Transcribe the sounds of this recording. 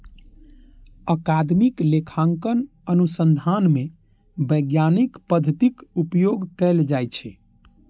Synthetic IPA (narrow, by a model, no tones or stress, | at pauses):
əkad̪miklekʰãŋkən | ənusənd̪ʱanme | bəjɡjanikpəd̪ʱət̪ikupjoɡkɛld͡ʒajt͡ʃʰɛ